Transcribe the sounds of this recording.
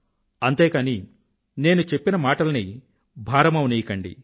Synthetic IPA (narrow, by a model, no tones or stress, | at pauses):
ɐnt̪e̞ːkaːni | ne̞ːnut͡ʃe̞pːinɐmaːʈɐlɐni | bʱaːɾɐmɐwuneːjikɐɳɖḭ